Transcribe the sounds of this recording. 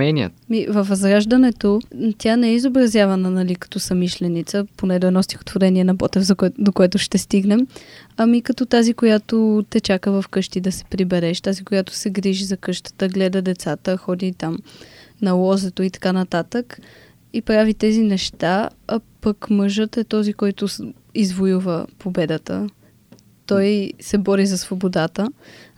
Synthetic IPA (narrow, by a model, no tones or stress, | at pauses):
ɛnʲiə̰t̪mivəfvɐzɾaʒd̪ənɛt̪ot̪ʲjanɛɛizobɾɐzʲjavɐnənɐlikɐ̥t̪ɔsɐmiʃlɛnit̪səponɛd̪ɔɛnɔst̪ʲixo̥t̪voɾɛniɛnɐbɔt̪ɛfzɐd̪okoɛt̪ʊʃt̪ɛst̪iɡnɛmɐmikɐt̪ɔt̪azikojat̪ot̪ɛt͡ʃakəvɐfkɤʃt̪id̪ɐsɛ̥pɾibɛɾɛʃt̪azikojat̪ʊ̥sɛɡɾiʒizɐkɤʃt̪ə̥t̪əɡlɛd̪əd̪ɛt̪sat̪əxɔd̪it̪amnɐlˠɔzɛt̪oit̪ɐ̥kanɐt̪at̪ək | ipɾavit̪ɛzinɛʃt̪aɐpəkməʒət̪ɛt̪ɔzikɔjt̪ʊ | izvojuvəpobɛd̪ət̪ə̰ | t̪ɔjsɛbɔɾizɐsvobod̪at̪ə